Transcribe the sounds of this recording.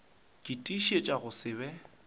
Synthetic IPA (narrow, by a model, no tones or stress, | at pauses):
kʼɪtʼiʃet͡ʃʼaɣʊsɪbɛ